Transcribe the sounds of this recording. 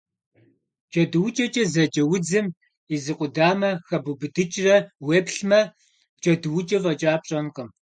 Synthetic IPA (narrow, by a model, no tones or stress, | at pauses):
t͡ʃʼɐdɨwʊt͡ʃʼɐt͡ʃʼɐzɐt͡ʃʼɐwʊd͡zɨm | izɨqʷʼʊdaːmɐxɐbubɨdɨt͡ʃʼrɐweːpɬmɐ | t͡ʃʼɐdɨwʊt͡ʃʼɐvɐt͡ʃʼaːp̚ɕʼɐnqəm